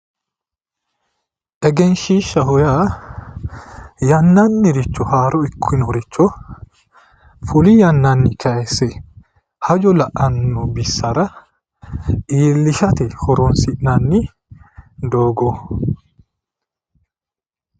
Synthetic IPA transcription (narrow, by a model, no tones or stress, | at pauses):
ʔɛɡɛnʃiːʃɐhɔjaː | jɐnːanːɪɾɪt͡ʃːɔhaːɾɔɪkʰːɪnɔɾɪt͡ʃːɔ | fʊlijɐnːanːɪkʰɐɛsɛ | hɐd͡ʒɔlɐʔɐnːɔbɪsːɐɾɐ | ʔiːlːɪʃɐt̪ɛhɔɾɔnsɪʔnɐnːɪ | d̪oːɡɔ